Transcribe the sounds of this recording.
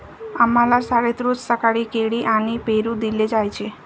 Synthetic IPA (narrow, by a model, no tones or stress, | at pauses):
amalaɾsaɾet̪ɾod͡ʒsəkaɽikeɽiʔanipeɾud̪iled͡ʒajt͡ʃʰe